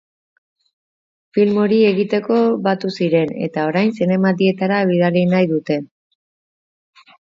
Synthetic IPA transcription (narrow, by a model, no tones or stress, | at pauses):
filmo̞ɾie̞ɣit̪e̞ko̞βat̪usiɾe̞ne̞̰t̪ao̞ɾajnsine̞mad̪ie̞t̪aɾaeβ̞iðarinajðut̪e̞